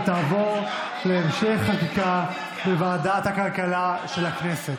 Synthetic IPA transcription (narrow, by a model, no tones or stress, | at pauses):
t̪aːvo̞ʁ | leːmʃeχːakika | bevaːd̪at̪hakalkalaʃelakneset